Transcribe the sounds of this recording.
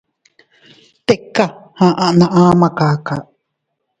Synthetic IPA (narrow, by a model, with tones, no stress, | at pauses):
t̪e˨kːa˨hã˨ʔã˦ʔnã˨ʔãː˦mã˧kaː˨ka˨ʔ